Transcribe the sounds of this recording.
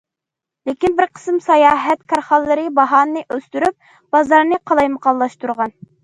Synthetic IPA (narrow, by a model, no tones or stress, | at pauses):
lɪkʲinbɪɾqʰə̥smsɑjɑːɦɛt̪kʰɑɾχɑlˠːɨɾɨbɑɦɑnːɨʔøst̪yɾyp̚ | b̥ɑzɑɾnɨqʰɑlˠɑjməqɑlˠːɑʃt̪uɾʁɑn